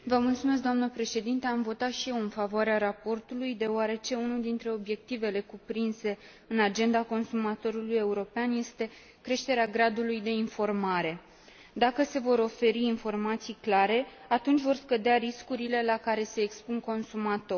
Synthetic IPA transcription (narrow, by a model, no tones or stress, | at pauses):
vəmult̪sume̞s̬k̚d̪oamnəpɾe̞ʃe̞d̪int̪eamvo̞t̪at̪ʃije̞wɨnfavoaɾeaɾapo̞rt̪ulujd̪e̞oaɾe̞t͡ʃe̞unuld̪int̪ɾe̞o̞bje̞k̚t̪ive̞le̞kupɾinse̞ | ɨnad͡ʒe̞nd̪ako̞nsumat̪o̞ɾuluje̞uɾo̞peanje̞st̪e̞ | kɾe̞ʃt̪e̞ɾeaɡɾad̪ulujd̪e̞info̞rmaɾe̞ | d̪akəse̞vo̞ɾo̞fe̞ɾiːnfo̞rmat̪sijklaɾe̞at̪unt͡ʃʲvo̞rskəd̪eaɾiskuɾile̞lakaɾe̞se̞ːkspunko̞nsumat̪o̞